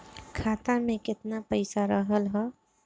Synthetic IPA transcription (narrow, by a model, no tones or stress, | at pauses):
kʰaːt̪amẽkɪt̪napəɪsaɾəɦəlɦɛː